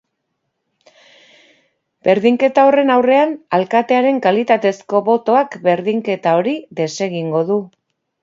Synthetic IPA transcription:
be̞ɾðiŋke̞t̪ao̞re̞nawre̞analkat̪e̞aɾe̞ŋkalit̪at̪e̞sko̞βo̞t̪o̞akbe̞ɾðiŋke̞t̪ao̞ɾiðe̞se̞ɣ̞iŋɡo̞ðu

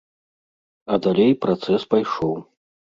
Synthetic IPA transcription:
ɐd̪alʲejpɾat̪sɛspajʂɔw

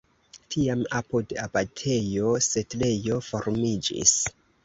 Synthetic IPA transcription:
tʰiamapudabatʰe̞jo̞setle̞jo̞fo̞ɾmid͡ʒḭs

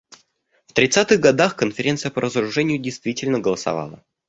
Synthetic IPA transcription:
ft̪ɾʲɪt̪sat̪ɨɣɡɐd̪axkənfʲɪɾʲe̞nt̪sɨjəpəɾəzəɾʊʐɛnʲɪjʊdʲɪjst̪vʲitʲɪlʲnəɡəlˠəsɐ̰va̰lˠə̰

